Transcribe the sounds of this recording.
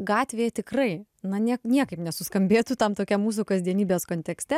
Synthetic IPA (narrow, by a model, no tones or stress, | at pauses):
ɡɑːt̪ʲʋʲeːjɛt̪ʲɪkrɐɪ | nɐnʲiɛknʲiɛkɐɪpnʲɛsʊskɐmʲbʲeːt̪uːt̪ɐmt̪oːkʲɛmuːs̬ukɐzʲd̪ʲiɛnʲiːbʲeːskoːnʲt̪ʲɛksʲt̪ʲɛ